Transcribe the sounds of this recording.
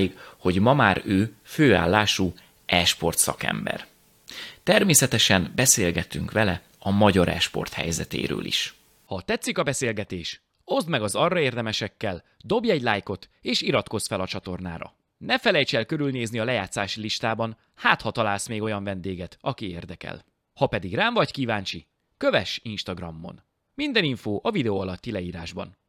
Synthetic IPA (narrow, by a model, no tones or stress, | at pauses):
ikho̞ɟmɒmaːɾøːføːa̰ːlːaːʃu | ɛʃpo̞rt̪sɒ̰kɛ̰mbɛ̰r | t̪ɛrmeːsɛt̪ɛʃɛnbɛseːlɡɛt̪ːyŋkʋɛlɛ | ɒmɒɟɒɾɛ̰ʃpo̞̰rt̪hɛ̰jzɛt̪ḛːɾø̰ːlḭʃ | hɒt̪ɛt̪sːikɒbɛseːlɡɛt̪eːʃ | o̞zd̪mɛɡɒzɒrːɒeːrd̪ɛmɛʃɛkːɛl | d̪o̞bjɛɟlaːjko̞t̪eːʃiɾɒt̪ko̞sfɛlɒt͡ʃɒt̪o̞rna̰ːɾɒ̰ | nɛfɛlɛjt͡ʃɛlkø̞ɾylneːzniɒlɛjaːt̪sːaːʃiliʃt̪aːbɒn | haːt̪hɒt̪ɒlaːlsmeːɡo̞jɒɱvɛnd̪eːɡɛt̪ɒkiḛːrd̪ɛkɛ̰l | hɒpɛd̪iɡraːɱvɒɟkiːvaːnt͡ʃi | køvɛʃinʃt̪ɒɡrɒmːo̞̰n | mind̪ɛniɱfoːʔɒvid̪ɛoːɒlɒt̪ːilɛiːɾaːʒbɒ̰n